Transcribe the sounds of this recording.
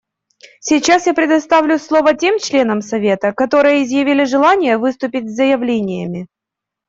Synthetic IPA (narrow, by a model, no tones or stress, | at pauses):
sʲit͡ɕasjapɾʲɪd̪ɐst̪avlʲʊslˠo̞vətʲe̞mt͡ɕlʲe̞nəmsɐvʲe̞t̪əkɐt̪o̞ɾɨjəɪzjɪvʲilʲɪʐɨlˠanʲɪjəvɨst̪ʊpʲɪtʲzəjɪvlʲenʲɪjəmʲɪ